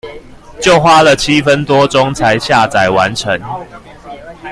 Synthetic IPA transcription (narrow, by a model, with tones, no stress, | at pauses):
t͡ɕjo˥˨ʊxwa˦lə˨t͡ɕʰi˦fə˦nt̪wɔ˦ʈ͡ʂɔ˦ŋt͡sʰa˨˦ɪɕja˥˨t͡sa˨˩ɪwa˧˦nʈ͡ʂʰə˨˦ŋ